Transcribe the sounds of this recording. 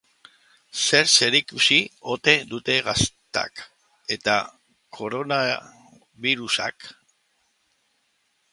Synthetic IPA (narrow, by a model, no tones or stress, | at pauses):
se̞ɾse̞ɾikusio̞t̪e̞d̪ut̪e̞ɣastt̪a̰k | e̞t̪a | kʰo̞ɾo̞na | βiɾusa̰k